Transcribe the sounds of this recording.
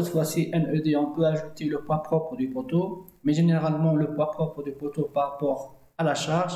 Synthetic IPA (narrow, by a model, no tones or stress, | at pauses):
ɛt̪fwasiʔɛnød̪eɔ̃pøaʒut̪eləpwapχɔpχəd̪ypot̪o | mɛʒeneʁalmɑ̃ləpwapχɔpχəd̪ypot̪opaʁapɔʁ | alaʃaʁʒ